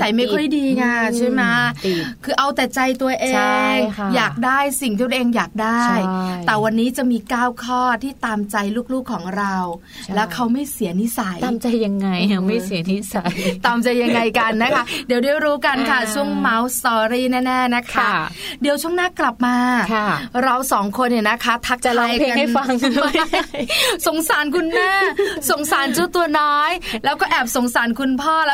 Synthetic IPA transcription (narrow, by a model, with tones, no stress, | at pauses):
ta˨˩jma˥˩jkʰɔ˥˩jdiː˧ŋaː˧t͡ɕʰu˥˩˨jma˦˥kʰɯː˧ʔa˧wt̪ɛː˨˩t͡ɕa˧jt̪u˧ɐʔeː˧ŋjaː˨˩k̚daː˥˩jsi˨˩ŋʰiː˥˧˩ə˧˨ʔeː˧ŋjaː˨˩k̚daː˥˩jt̪ɛː˨˩wa˧nːiː˦˥t͡ɕa˨˩miː˧kaː˥˩wkʰɔː˥˩t̪ʰiː˥˩t̪aː˧mt͡ɕa˧jluː˥˩k̚luː˥˩kʰːɔː˩˦ŋɾa˧w | lɛː˦˥wkʰa˦˥wma˥˩jsi˨˩˦əni˦˥sa˨˩˦jaː˧mt͡ɕa˧jːa˧ŋːa˧jma˥˩jsi˩˦ni˦˥sa˨˩t̪aː˧mt͡ɕa˧jːa˧ŋːa˧jka˧nːa˦˥kʰa˦˥di˩˦wdaː˥˩jɾuː˦˥ka˧nkʰa˥˩t͡ɕʰu˥˩əŋma˦˥wst̪ɔː˧ɾiː˥˩nɛː˥˩nɛː˥˩na˦˥kʰa˦˥di˨˩əwt͡ɕʰu˥˩ŋnaː˥kla˨˩p̚maː˧ | ɾa˧wsɔː˩˦ŋkʰo˧nːi˨˩na˦˥kʰa˦˥t̪ʰa˦˥k̚a˧la˧jkːna˧ŋa˧ | so˨˦ŋsaː˩˦nkʰu˧nmɛː˥˩so˨˦ŋsaː˨˩˦nt͡ɕu˦˧˥t̪u˧ɐnɔː˦˥jlɛː˦˥wkɔː˥˩ʔɛː˨˩p̚so˨˦ŋsaː˩˦nkʰu˧npʰɔː˥˩lɛː˦˥